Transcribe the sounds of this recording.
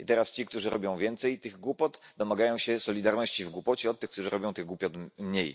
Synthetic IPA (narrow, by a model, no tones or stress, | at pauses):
it̪ɛɾast͡ɕikt̪uʐɘɾɔbʲjɔ̃w̃vʲjɛnt̪sɛjt̪ɘɣɡwupɔt̪d̪ɔmaɡajɔ̃w̃ɕɛsɔlʲid̪aɾnɔɕt͡ɕivɡwupɔt͡ɕɛɔt̪ːɘxkt̪uʐɨɾɔbʲjɔ̃w̃t̪ɘɣɡwupʲjɔt̪mɲej